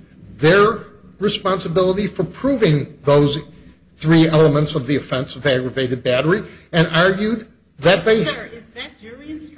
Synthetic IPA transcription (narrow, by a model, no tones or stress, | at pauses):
ðə˞ | ɹɨspɑ̃nsəbɪlˠəɾifə˞pʰɹ̥uvɪ̃ŋðoʊz | θɹiɛlˠəmə̃ntsʌvðiɨfɛ̃nsʌvæɡɹɨveɪɾɨd̚bæɾə˞iɨ̃nɑɹɡjʉd̪̚ | ðɨt̪̚ðeɪ